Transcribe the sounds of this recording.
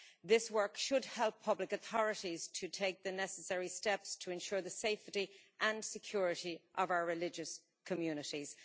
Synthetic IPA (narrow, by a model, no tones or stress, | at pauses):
ðɪswɜ˞kʃəd̚hɛlˠpʰːʌblɪkəθɔɹɨɾiz̥tʰətʰeɪk̚ðənɛsəsɛɹistɛpstʰəɛ̃nʃʊːɹðəseɪftiʔə̃nsɨkʰj̥ʊɹɪɾiʔəvaʊə˞ɹɪlɪd͡ʒəs | kʰəmjʉnɪɾiz̥